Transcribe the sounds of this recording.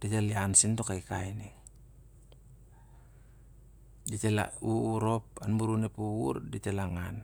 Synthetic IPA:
d̥it̪eliansint̪okaikaine | dit̪ela̰uuɾop̚anbuɾunepuwṵrdit̪elaŋan

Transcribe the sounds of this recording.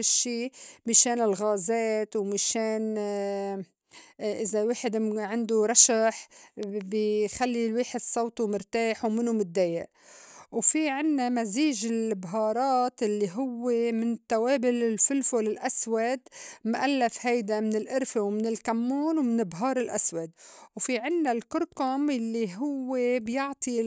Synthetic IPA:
ɪʃːiːmɪʃeːnɪlɣaːzeːt̪wmɪʃeːn | ʔɪzaweːħɪd̪ʕɪnd̪uɾˤɑʃaħbxalːilweːħɪd̪sˤɑwt̪umʊɾt̪aːħwmɪnumʊd̪ːeːjɪʔ | wfiʕɪnːamaziːʒɪlbɦɑːɾˤɑːt̪ʔɪlːiɦʊwːemɪnt̪ːaweːbɪlɪlfɪlfolɪlʔaswad̪mʊʔalːafhajd̪amɪnɪlʔʊɾfewmɪnɪlkamːuːnwmɪnɪbɦɑːɾˤɪlʔaswad̪wfiʕɪnːalkʊɾqʊmjalːiɦʊwːebjɪʕt̪ˤi

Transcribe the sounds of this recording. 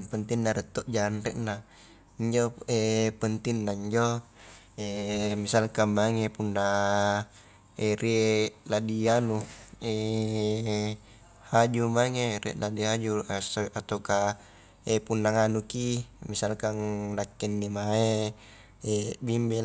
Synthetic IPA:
pənt̪inːaɾɛt̪ːoʔd͡ʒaanrɛʔna | iɲd͡ʒoepənt̪inːaiɲd͡ʒo | emisalkamːaŋepunːa | eɾiladianue | had͡ʒumaŋerɛ̰ʔladiɦad͡ʒusat̪oka | epunːaŋanukimisalkaŋnakːɛnːimae | ebimbɛ

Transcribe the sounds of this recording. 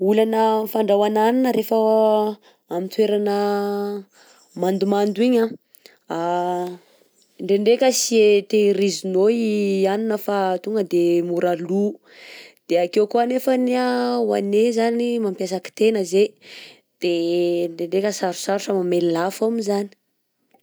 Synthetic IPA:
ulanəfaɳɖ͡ʐawananinəɾefə | amint̪weɾanə | mand̪umand̪uiɲa | a | ɳɖ͡ʐeɳɖ͡ʐekʲəsiet̪erizinoianinəfat̪uŋɡəd̪emuɾalu | d̪̥eakewkuanefaniawa̰nezanimampjasaki̥t̪enəze | d̪̥eɳɖ͡ʐeɳɖ͡ʐekʲəsaɾu̥saɾuʈ͡ʂəmamelilafamizani̥

